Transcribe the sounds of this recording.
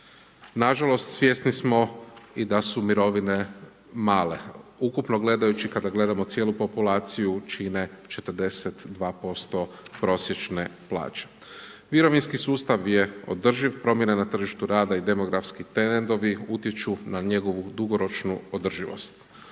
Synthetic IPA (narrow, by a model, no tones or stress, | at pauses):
naʒalo̞st̪sʋje̞ːsnismo̞id̪asumiɾo̞ʋine̞ | maːle̞ukupno̞ɡle̞d̪ajut͡ʃikad̪aɡle̞d̪amo̞t̪sjeːlˠupo̞pulaːt̪sijut͡ʃine̞t͡ʃe̞t̪əɾ̩d̪e̞set̪d̪ʋaːpo̞st̪o̞pɾo̞sje̞t͡ʃne̞plˠa̰ːt͡ʃe̥ | ʋiɾo̞ʋinskisuːst̪aʋje̞o̰d̪r̩ʒiʋpɾo̞mje̞nanat̪r̩ʒiʃt̪uɾaːd̪aid̪e̞mo̞ɡɾafskit̪enend̪o̞ʋiut̪jet͡ʃunaɲe̞ɡo̞ʋud̪uɡo̞ɾo̞t͡ʃnuod̪r̩ʒiʋo̰st̪